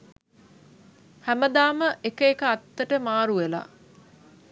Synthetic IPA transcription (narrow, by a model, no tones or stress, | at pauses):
hæməd̪aːməʔekəekəat̪ːəʈəmaːɾuʋela̰